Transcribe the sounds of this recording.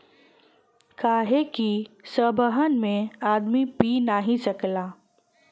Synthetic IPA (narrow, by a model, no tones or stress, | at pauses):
kaːɦekisəbʱəɦənmẽaːd̪mipinaɦĩsɐklaː